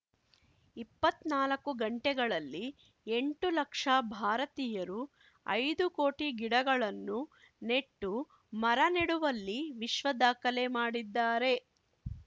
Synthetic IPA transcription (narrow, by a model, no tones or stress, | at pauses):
ipːɐt̪naːlɐkːuɡɐɳʈɛɡɐɭɐlːi | e̞ɳʈulɐkʂɐbʱaːɾɐt̪iːjɐɾu | ɐ̰jd̪uko̞ːʈiɡiɽɐɡɐɭɐnːu | ne̞ʈːu | mɐɾɐneɽuʋɐlːiʋiʃʋɐd̪aːkɐlemaːɽid̪ːaːɾe̞